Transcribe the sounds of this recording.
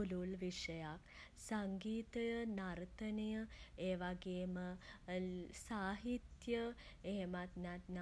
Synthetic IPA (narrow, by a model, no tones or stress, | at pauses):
ululʋiʂəjaksaŋɡiːt̪əjənaɾt̪ənijəeːʋaɡeːmə | saːɦit̪jə | eɦemat̪nat̪na